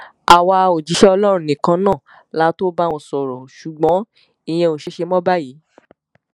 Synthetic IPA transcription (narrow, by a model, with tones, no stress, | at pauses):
a˨wa˧o˨d͡ʒi˨˦ʃɛ˦ɔ˧lɔ˦ɾ̃ũ˧nĩ˨kã˧nã˦˨ | la˨˦to˦ba˦ɔ̃˧˨sɔ˨ɾɔ˨ʃu˨ɡ͡bɔ̃˨˦ | i˨j̃ɛ̃˧o˨ʃe˨˧ʃe˧mɔ̃˦ba˦jiː˨˦